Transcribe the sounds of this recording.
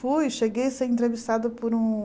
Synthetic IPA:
fujʃeɡejseɾẽnt̪̬ɾevist̪ad̪ʊpoɾũ

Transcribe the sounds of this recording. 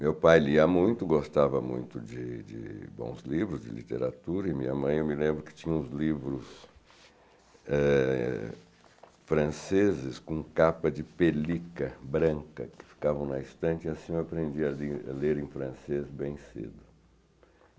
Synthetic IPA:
mewpajliɐmũj̃t̪ʊɡost̪avɐmṵ̃j̃t̪ʊd͡ʒɪd͡ʒɪ̰bõ̰w̃zlivɾʊzd͡ʒɪ̰lḭt̪ḛɾat̪uɾɐimĩɲɐmɐ̃j̃ewmɪlẽmbɾʊkɪ̥t͡ʃĩɲɐ̃ʊ̃zlivɾʊs | ɛ | fɾɐ̃sezɪskõkapɐd͡ʒɪpelikɐbɾɐ̃kɐkɪ̥fi̥kavɐ̃w̃nɐist̪ɐ̃nt͡ʃɪiasĩewapɾẽnd͡ʒiɐla̰leɾẽfɾɐ̃sezbẽj̃sḛd̪ʊ

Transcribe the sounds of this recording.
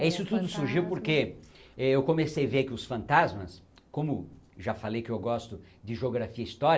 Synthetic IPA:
ɛisʊt̪ud̪ʊsuɾʒiwpoɾkeɛewkõmesejvekɪʊsfɐ̃nt̪azmɐs | kõmʊʒafalejkɪewɡɔst̪ʊ | d͡ʒ̪ɪʒeoɡɾafiɐist̪ɔɾ

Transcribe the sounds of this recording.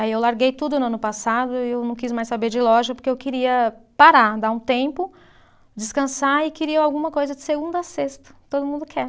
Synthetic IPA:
aiewlaɾɡejt̪ud̪ʊnʊɐ̃nʊpasad̪ʊɪewnɐ̃w̃kis̬majsabeɾd͡ʒɪlɔʒɐpoɾkeewkɪɾiɐpaɾad̪aũt̪ẽpʊ | d͡ʒɪskɐ̃saɪkɪɾiɐawɡũmɐkojzɐd͡ʒɪseɡũnd̪ɐasest̪ɐ̥t̪od̪ʊmũd̪ʊkʰɛ

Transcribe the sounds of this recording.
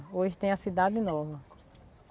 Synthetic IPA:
oʒɪt̪ẽj̃ɐsid̪ad̪ɪnɔvɐ

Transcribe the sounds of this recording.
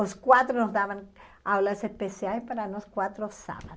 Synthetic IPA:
oskwat̪ɾonozd̪aβaŋ | awlasespesjalespaɾaunoskwat̪ɾosa̰βa

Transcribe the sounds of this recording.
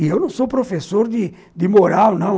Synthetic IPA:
ɪewnɐ̃w̃sopɾofesoɾd̪ɪ | d̪ɪmoɾawnɐ̃

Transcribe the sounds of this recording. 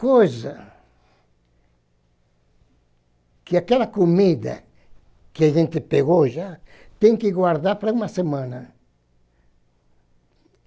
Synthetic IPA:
kojzɐ | kɪakɛlɐkomid̪ɐ̰ | kɪaʒẽnt̪ɪpeɣoʒat̪ẽŋkɪɡwaɾd̪aɾpɾaumɐsemãnɐ

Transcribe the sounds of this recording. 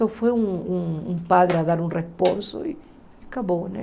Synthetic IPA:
ofweuŋuŋumpaðɾeaðaɾunresponso̰i | akaβone

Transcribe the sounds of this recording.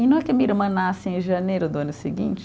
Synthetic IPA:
ɪnɐ̃w̃ɛkɪmiiɾmɐ̃nasɪẽʒɐnejɾʊd̪ʊɐ̃nʊsɪɡḭ̃t͡ʃɪ̥

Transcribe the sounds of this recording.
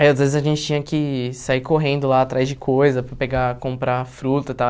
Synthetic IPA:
aiazvezɪzɐʒẽnt͡ʃɪt͡ʃĩɲ̃ɐkɪsaiɾkoɦẽnd̪ʊlaːt̪ɾazd͡ʒɪkʰojzɐpɾɐpeɡakõmpɾafɾut̪ɐt̪a

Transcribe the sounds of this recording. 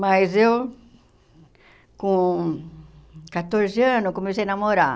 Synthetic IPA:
mazew | kõ | kat̪oɾzɪɐ̃nʊkõmes̬ejnamoɾa

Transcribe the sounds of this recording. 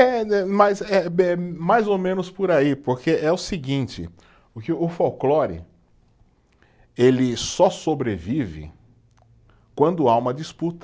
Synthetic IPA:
ɛɛmɐzɛɛmajzomẽnʊspʊɾaipoɾkeʔɛʊsɪɡĩnt͡ʃɪ̰ | ʊkɪʊfawklɔɾɪ̰ | elɪsɔsobɾevivɪ̰ | kwɐ̃nd̪ʊaũmɐd͡ʒisput̪ɐ̥

